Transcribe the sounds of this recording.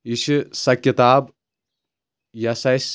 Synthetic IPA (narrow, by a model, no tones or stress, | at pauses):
iʃɨsɐkjɐt̪aːb | jɐsɐjs